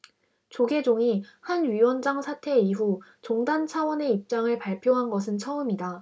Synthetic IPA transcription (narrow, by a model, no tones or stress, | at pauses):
t͡ɕoɡe̞d͡ʑoŋihanɥiwʌnd͡ʑaŋsʰatʰe̞iɸut͡ɕoŋdant͡ɕʰawʌne̞ip̚t͡ɕ͈aŋɯɭpaɭpʰjoɦanɡʌsʰɯnt͡ɕʰʌɯmida